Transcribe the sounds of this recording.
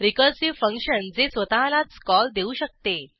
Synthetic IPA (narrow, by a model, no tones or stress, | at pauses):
ɾikəɾsiʋfə̃ŋkɕənd͡zesʋət̪alat͡skɔld̪euːɕək̚t̪e